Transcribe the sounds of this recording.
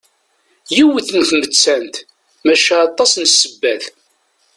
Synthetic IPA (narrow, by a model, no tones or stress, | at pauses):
jiwəθənθmət͡sːænt̪ | mæʃæɑt̪ˤːɑsnsːəbːæθ